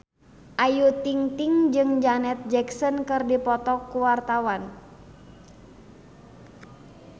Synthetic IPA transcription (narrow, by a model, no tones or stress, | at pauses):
ʔajut̪iŋt̪iŋd͡ʒɨŋd͡ʒanɛt̪̚d͡ʒɛksɔnkɨrdipɔt̪ɔkːuwart̪awan